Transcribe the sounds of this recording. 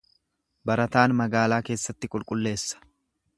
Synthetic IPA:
bɐɾɐt̪aːnmɐɡaːlaːke̞ːsːɐt̪ːɪkʼʊlkʼʊlːe̞ːsːɐ̥

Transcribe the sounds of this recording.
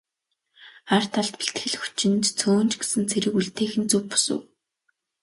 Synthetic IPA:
χar̥t̪ʰaɮt̪pi̥ɬt̪xɘ̆ɮxu̥t͡ɕɪ̆nt̪t͡sʰoːnt͡ɕɡesɘ̆nt͡sʰeɾɘ̆kuɮt̪eːxɘ̆nt͡suwpʊ̥sṵ̆w

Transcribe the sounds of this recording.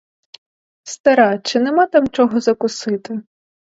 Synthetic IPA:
st̪ɐɾɑt͡ʃɪnemɑt̪ɑmt͡ʃɔɦɔzɐkʊsɪt̪ɪ

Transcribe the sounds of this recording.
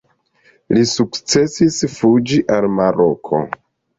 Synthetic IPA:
lisukt͡se̞sisfud͡ʒiʔalmaɾokʰo̞̰

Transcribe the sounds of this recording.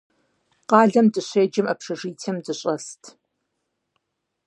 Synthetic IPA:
qɑːɮɐmdɨɕʷeːd͡ʒɪmɐpʰʂɐʐiːtʰemdɨɕʼɐstʰ

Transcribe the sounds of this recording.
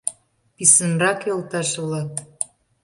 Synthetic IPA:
pisənrɑkelt̪ɑʃβlɑt̪

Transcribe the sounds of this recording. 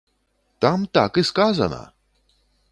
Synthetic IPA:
t̪amt̪akɨskaza̰na̰

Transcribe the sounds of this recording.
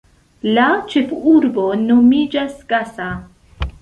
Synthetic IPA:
lat͡ʃefuɾbo̞nomid͡ʒasɡasa

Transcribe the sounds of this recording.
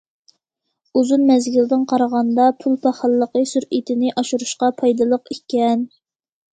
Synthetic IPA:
uzunmɛzɡʲild̪ɪnqʰɑɾʁɑnd̪ɑpʰulˠpʰɑχɑlˠːəqəsyɾit̪ʰɪnɪʔɑʃuɾuʃqɑpʰɑjd̪ɨlˠəqikʲɛn

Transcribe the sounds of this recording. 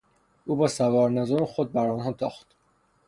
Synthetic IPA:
ʔuːbɒːsævɒːɾnæzoɾxod̪̚bæɾɒːnɦɒːt̪ʰɒːxt̪

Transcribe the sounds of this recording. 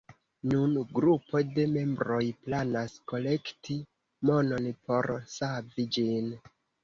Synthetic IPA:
nunɡɾupo̞de̞me̞mbɾo̞jplanasko̞le̞kti | mo̞no̞npo̞ɾsavid͡ʒin

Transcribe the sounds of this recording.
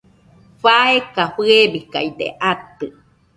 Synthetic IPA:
ɸaekaɸɨebika̰jd̪ḛʔat̪ɨ

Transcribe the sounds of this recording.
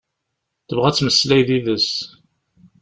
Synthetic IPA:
θəvʁæt͡sːməslæjðiðəs

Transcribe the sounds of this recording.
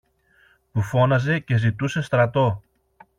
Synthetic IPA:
pufo̞nɐze̞ce̞zit̪use̞st̪ɾɐt̪o̞

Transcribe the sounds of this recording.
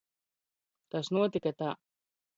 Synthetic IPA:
t̪asnuɔt̪ikat̪a

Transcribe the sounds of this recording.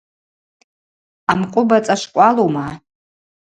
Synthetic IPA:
amkʷʼʊbat͡sʼaʂkʷʼaloma

